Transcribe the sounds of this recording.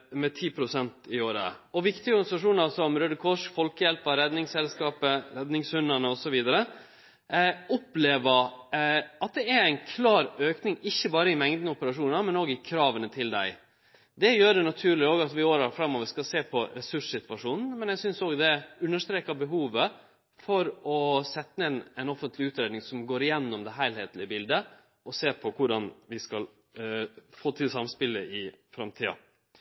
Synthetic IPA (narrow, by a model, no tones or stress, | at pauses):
mɛt̪ʰiːpʰɾʊsɛnt̪ɪoːɾə̰ɔʋɪkt̪ɪɡəɔɾɡɑnɪsɑʂuːnɑsɔmɾød̪əkʰɔʂfɔlkəjɛlpəɾɛd̪nɪŋsɛlskɑːpəɾɛd̪nɪŋshʉnɑnəɔsɔʋiːd̪ɑɾə | ɔpleːʋə | ɑt̪̚d̪ɛæɾæɪnkʰlɑːɾøːknɪŋɪçːəbɑːɾəɪmɛŋd̪nəʊpəɾɑʂuːnɑmɛnoːɡɪkʰɾɑːʋənət̪ʰɪld̪æ̰ɪ | d̪ɛjøːɾɛnɑt̪ʰʉːɭɪoːɡɑt̪ʋɪoːɾɑɾfɾɑmːoːʋəɾʂskɑlseːpʰɔɾɛsʉʂsɪt̪ʋɑʂuːnn̩mɛnɛɡsʏnsoːɡd̪ɛʉnːəʂt̪ɾeːkɑbəɦuːʋə | fɔɾɔsɛt̪ːəɛnɛɪnɔfənt̪ʰlɪʉːt̪ɾeːd̪nɪŋsɔmɡoːɾɪjɛnːɔmd̪ɛɦæɪlheːt̪lɪəbɪld̪ə | ʔɔseːpʰɔkʰʊɖɑnʋɪskɑl | foːt̪ʰɪlsɑmspɪlːə̰ʔɪfɾɑmt̪ʰiːɑ̰